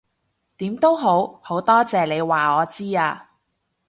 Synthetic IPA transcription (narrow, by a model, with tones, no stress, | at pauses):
t̪iː˨˥mt̪o˥wɦo˨˥who˨˥wt̪ɔː˥t͡sɛː˨le˨˧jwaː˨ɔː˨˧t͡siː˥aː˧